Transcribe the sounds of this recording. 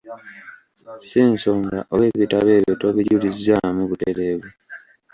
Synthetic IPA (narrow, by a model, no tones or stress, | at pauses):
siːnsoːŋɡaʔoweβitaβeːβotoβiɟulizamuβute̞ɾeːβu